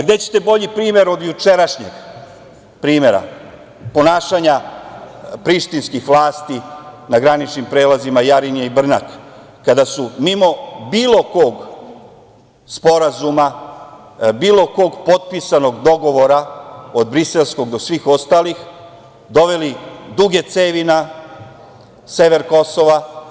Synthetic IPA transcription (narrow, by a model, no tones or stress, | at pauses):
ɡd̪e̞t͡ɕe̥t̪e̞bo̞ʎipɾiːme̞ɾo̞d̪jut͡ʃe̞ɾaʃɲeɡ | pɾiːme̞ɾa̰ | po̞naːʃaɲa | pɾiʃt̪inskixʋlaːst̪inaɡɾanit͡ʃnimpɾe̞ːlˠazimajaɾinijeibr̩nakː | ad̪asumimo̞biːlˠo̞koɡ | spo̞ɾazuma | biːlˠo̞ko̞ɡpo̞t̪̚pisano̞ɡd̪o̞ɡo̞ʋo̞ɾao̞d̪̚bɾise̞lˠsko̞ɡd̪o̞sʋiːxo̞st̪aːlix | d̪o̞ʋe̞lid̪uɡe̞t̪seːʋina | se̞ʋe̞ɾko̞so̞ʋa